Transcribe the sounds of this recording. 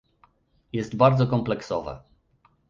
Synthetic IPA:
jɛst̪baɾd̪zɔkɔmplɛksɔvɛ̰

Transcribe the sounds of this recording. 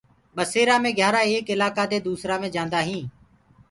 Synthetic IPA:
ɓəseːɾãːmẽːɡʱjaːɾaːeːkɪlaːkaːd̪eːd̪uːsɾaːmẽːd͡ʒãːnd̪aːɦĩː

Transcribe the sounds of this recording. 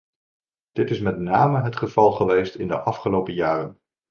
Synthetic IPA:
d̥ɪtɪsmɛtnaːməɦətχəv̥ɑlˠχəʋejstɪndəʔɑfχəlowpəjaːrən

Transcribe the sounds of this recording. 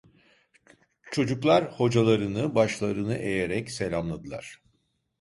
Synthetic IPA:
t͡ʃʰo̞d͡ʒuklˠaɾho̞d͡ʒalˠaɾɯnɯbaʃlˠaɾɯnɯʔe̞je̞ɾɛcse̞lʲamlˠad̪ɯlˠa̰ɾ̥

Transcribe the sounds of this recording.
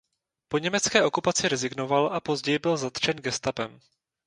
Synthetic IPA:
po̞ɲɛmɛt͡skɛːʔo̞kupat͡sɪɾɛzɪɡno̞valʔapo̞zɟɛjɪbɪlzat̪t͡ʃɛnɡɛst̪apɛm

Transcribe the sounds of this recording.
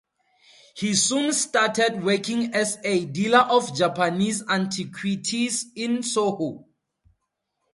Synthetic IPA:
hisũnstatɛd̚wɛkĩŋɛsedilaʔɔfd͡ʒapanisãntʰikʰwitʰizĩnsoho

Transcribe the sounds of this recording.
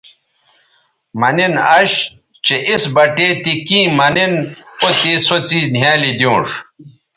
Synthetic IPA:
mɐninɐɕ | t͡ɕeʔisbɐʈeːt̪ikĩːmɐninot̪isot͡siːznjaːlid̪jõːʂ

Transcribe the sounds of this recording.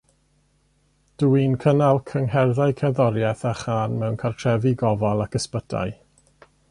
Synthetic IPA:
d̥uinkʰənalˠkʰəŋɦɛrðajkʰɛðɔɾjɛθaχaːnmɛwnkʰartʰr̥ɛvɪɡɔvalˠakəspəda̰j

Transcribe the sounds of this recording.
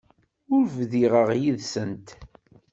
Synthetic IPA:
ʊɾvðiʁəʁjiðsənt̪

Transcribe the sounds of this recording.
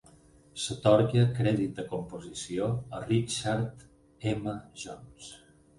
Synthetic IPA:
sət̪ɔɾkjəkɾɛðit̪̚d̪əkumpuzisioərit͡ʃaɾt̪ | ɛməʒɔns

